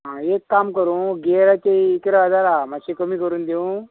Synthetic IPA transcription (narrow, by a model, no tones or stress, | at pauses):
ɦãekːamkəɾũɡeɾat͡ɕeiːkɾəʋad̪aɾamaɕikəmikəɾuːnd̪eũ